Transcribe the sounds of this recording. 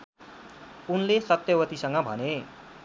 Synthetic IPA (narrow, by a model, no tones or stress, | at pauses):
unlesʌt̪ːjʌwʌt̪isʌŋɡʌbʱʌ̰ne